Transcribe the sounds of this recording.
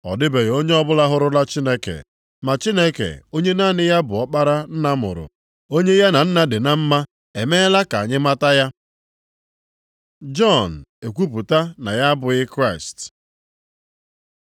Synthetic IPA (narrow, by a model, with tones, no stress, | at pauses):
ɔ̰˨dɪ˦be˨ɣo˦ɲe˦ɔ˦bʊ˦la˦ɦʊ˦ɾʊ˦la˦t͡ʃi˦ne˦kḛ˨ | ma˨t͡ʃi˦ne˦kḛ˨o˦ɲe˦na˦˨nɪ˦ja˦bʊ˨ɔ˦k͡pa˦ɾa˦n̩˦na˦mʊ̰˨ɾʊ̰˨ | o˦ɲe˦ja˦na˨n̩˦na˦dɪ˨na˨m̩˦ma˦ | e˨me˦la˦ka˨ɲɪ˦ma˦ta˦ja˦ | d͡ʒɔ˦˨n̩˨e˨kʷu˦pu˨ta˦na˨ja˦bʊ˨ɣɪ˦kɾa˦ɪ˨st